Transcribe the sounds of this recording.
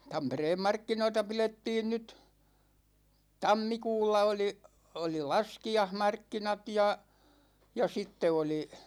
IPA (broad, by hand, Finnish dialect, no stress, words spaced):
tɑmpereːm mɑrkːinoitɑ piletːiːn nyt tɑmːikuːlːɑ oli oli lɑskiɑhmɑrkːinɑt jɑ jɑ sitːe oli